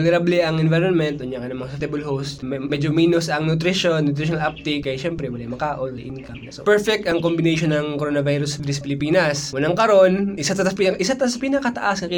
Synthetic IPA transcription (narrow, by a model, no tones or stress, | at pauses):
ɡnɛɾabliʔɐŋɛnvajɾonmɛnt̪ʔʊnjakɐnɐmɐŋst̪ɛbɐlɦowst̪mɛd͡ʒomiːnʊsɐŋnʊt̪̬ɾiʃonːʊt̪̬ɾɪʃonɐlʔap̚t̪ɪkːɐjaʃɛmpɾɛwɐlajmɐkaːʔolwɐʔɪnkɐmɐsopɛɹfɛk̚t̪ɐŋkombɪnejʃonːɐŋkoɾonɐvajɾʊsviɾɪspɪlɪpiːnɐswʊlɐŋkɐɾo̞nʔɪsat̪ɐt̪aspɪnɐʔɪsat̪ɐsɐpɪnɐkɐt̪ɐʔasɐk